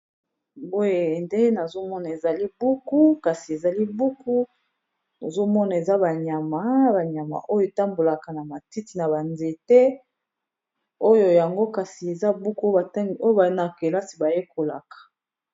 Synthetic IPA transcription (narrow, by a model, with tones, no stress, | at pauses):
bo˦je˨nde˦na˨zo˦mɔ˦na˨e˨za˨li˦bu˦ku˦ka˨si˨e˨za˨li˦bu˦ku˦ | no˨zo˦mɔ˦na˨e˨za˦ba˨ɲa˨ma˨˦ba˨ɲa˨ma̰˨ʔo˦jo˨ta˦mbo˨la˨ka˨na˨ma˨ti˦ti˨na˨ba˨nze˨tɛ˦ | o˦jo˨ja˨ŋɡo˦ka˨si˨e˨za˦bu˦ku˦o˦ba˨ta˦ŋɡo˦jo˦ba˨˦na˨ke˨la˦si˨ba˨je˦ko˨la˨kḁ˨